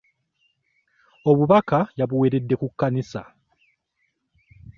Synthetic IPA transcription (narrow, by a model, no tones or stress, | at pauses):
o̞βuβakajaβuwe̞ːɾe̞dːe̞kukːanisa̰